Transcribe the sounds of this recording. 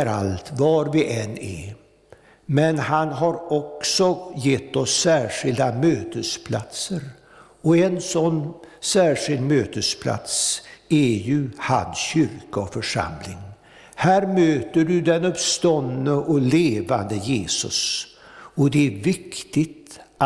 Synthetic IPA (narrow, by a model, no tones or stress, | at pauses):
ɾa̰lt̪vɑɾvɪʔɛnɛ̰ | mɛnhanɦaɾɔksɔjɛt̪ːɔsːæːʂɪld̪amøːt̪əspʰla̰t̪səɾ | ɔɛnsɔnːsæːʂɪld̪møːt̪əspʰla̰t̪sæjɵha̰nsɕʏɾkaɔfœʂa̰mlɪŋ | hæːɾmøːt̪əɖɵd̪ɛnɵpst̪ɔnːəʔɔleːva̰nd̪əjeːsɵ̰s | ɔd̪ɛæɾvɪkt̪ɪt̪